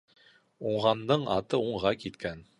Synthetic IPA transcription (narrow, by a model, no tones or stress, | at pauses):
uɴʁɑnd̪ɤɴɑ̰t̪ɤuɴʁɑkit̪kæn